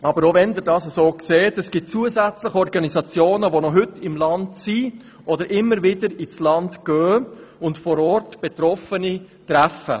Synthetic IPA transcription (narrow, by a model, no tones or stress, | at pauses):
ɑbəɾoʋɛnd̪ɪɾdɑːsəsoːkseːtɛsɡ̥ɪt̚t͡suəzæt͡slɪχɔɾɡɑnizɑt͡sjoːnəʋonɔɦʏtɪmlɑntsi | ʔɔd̪əɾʔɪmːəɾʋɪdəɾit͡slɑndɡ̥œːʊntfɔɾɔrtb̥et̪ɾɔfənitɾæfə̰